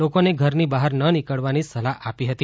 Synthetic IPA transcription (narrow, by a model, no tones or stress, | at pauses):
okoneɡʱəɾnibaɦəɾnənikəɭʋanisəlaapiɦət̪i